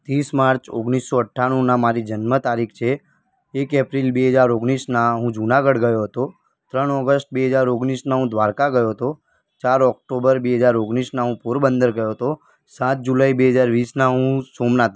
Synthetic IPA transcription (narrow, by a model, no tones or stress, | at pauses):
t̪ismaɾt͡ʃoɡnisːoəʈʰːaɽ̃ũnamaɾid͡ʒənmət̪aɾikʰt͡ʃʰe | ekepɾilbeɦəd͡ʒaɾoɡnisnaɦũd͡ʒunaɡəɽɡəjoɦət̪o | t̪ɾəɳɔɡəsʈ̚beɦəd͡ʒaɾoɡnisnaɦũd̪ʋaɾkaɡəjoɦət̪o | t͡ʃaɾɔk̚ʈobəɾbeɦəd͡ʒaɾoɡnisnaɦũpuɾbənd̪əɾɡəjoɦət̪o | sãt̪̚d͡ʒulaibeɦəd͡ʒaɾʋisnaɦũsomnat̪